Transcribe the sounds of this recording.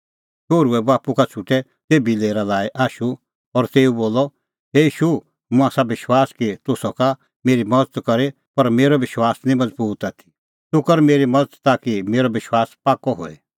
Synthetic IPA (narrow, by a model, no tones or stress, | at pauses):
ʃoːɾuɛbaːpukat͡ʃʰʊʈɛ | t̪eːbileːɾalaːeʔaːʃu | ɔɾt̪eːuboːlɔ | ɦeiːʃu | mʊ̃aːsabɪʃwaːskit̪ʊsɔka | meːɾimɐd͡zət̪kɐɾe | pɐɾmeːɾɔbɪʃwaːsnĩmɐd͡zbuːt̪aːt̪ʰi̥ | t̪ʊkəɾmeːɾimɐd͡zət̪t̪akimeːɾɔbɪʃwaːspaːkɔɦo̰ːɛ̰